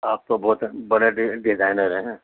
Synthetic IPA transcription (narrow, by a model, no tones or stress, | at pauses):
aːp̚t̪obɔːt̪bɐɽeɖɖɪzaːɪnəɾɦɛ̃ɦɛ̃ː